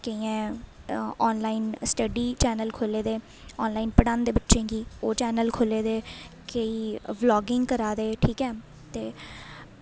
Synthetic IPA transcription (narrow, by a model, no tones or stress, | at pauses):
kəiːɛ̃ː | ɔːnlaːinsʈəɖiːt͡ʃɛːnəlkʰoːleːd̪eː | ɔːnlaːiːnpəɽãːnd̪eːbətːʃẽːɡiːoːt͡ʃɛːnəlkʰoleːd̪eːkəiːblɔːɡɪŋɡkəɾaːd̪eːʈʰiːkɛː | t̪eː